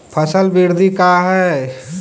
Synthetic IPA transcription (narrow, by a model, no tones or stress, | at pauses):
pʰəsəlbiɾd̪ikaɦɛ